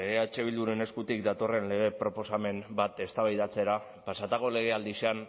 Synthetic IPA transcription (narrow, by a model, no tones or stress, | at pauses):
eɣe̞aet͡ʃe̞β̞ild̪uɾe̞ne̞skut̪ik̚d̪at̪o̞re̞nle̞ɣ̞e̞pɾo̞po̞same̞mbat̪e̞st̪aβajðat͡se̞ɾa | pasat̪ako̞le̞ɣ̞e̞ald̪isean